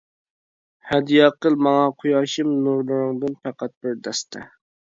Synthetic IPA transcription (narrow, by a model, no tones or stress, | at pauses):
hɛd̪ijɑqəlˠmɑŋɑqʰujɑʃɨmnuɾlˠuɾʊŋd̪ɨnpɛqæt̪̚bɪɾd̪ɛst̪ʰɛ̰